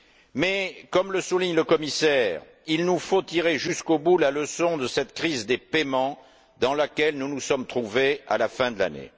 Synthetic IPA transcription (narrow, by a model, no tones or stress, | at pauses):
mɛkɔmləsuliɲləkɔmisɛʁ | ilnufot̪iʁeʒyskobulaləsɔ̃d̪əsɛt̪kχizd̪epemɑ̃ | d̪ɑ̃lakʲɛlnunusɔmt̪χuvea̰lafɛ̃d̪əla̰nḛ